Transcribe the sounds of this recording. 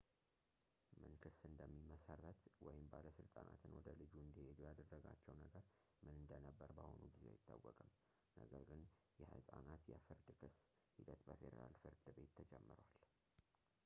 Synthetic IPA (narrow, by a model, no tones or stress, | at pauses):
mɨnkʰɨsɨnd̪əmːiməsarːət̪wɔjɪmbaləsɨlt̪ʼanʔa̰t̪ʰɨnwɔd̪əlɨd͡ʒuɨnd̪ihed̪ujad̪ərːəɡa̰t͡ʃːɛwnəɡəɾ | mɨnɨnd̪ənəbːəɾbaho̞nuɡizea̰jɪt̪ʰːawːɔkʼɨm | nəɡəɾɡɨn | jɛhɨsʼanat̪jɛfɨɾd̪kʰɨs | hid̪ət̪bəfed̪ḛɾalfɨɾd̪ɨbe̞t̪ʰːəd͡ʒɛmːɨɾwal